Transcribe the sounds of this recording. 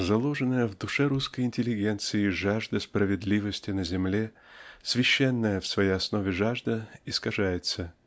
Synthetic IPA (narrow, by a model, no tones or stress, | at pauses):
zɐlˠoʐɨnəjəvd̪ʊʂɛɾuskəjɪnʲtʲɪlʲːɪɡʲent̪sɨɪʐaʐd̪əspɾəvʲɪd̪lʲivəsʲtʲɪnəzʲɪmlʲe̞ | sʲvʲɪɕːenːəjəfsvɐjejɐsnovʲɪʐaʐd̪əɪskɐʐajɪt̪sə